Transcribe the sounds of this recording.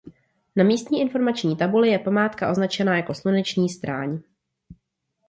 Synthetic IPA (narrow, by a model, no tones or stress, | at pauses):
namiːst̪ɲiːʔɪnfo̞ɾmat͡ʃɲiːt̪abulɪjɛpamaːt̪kaʔo̞znat͡ʃɛnajako̞slunɛt͡ʃɲiːst̪ɾaːɲ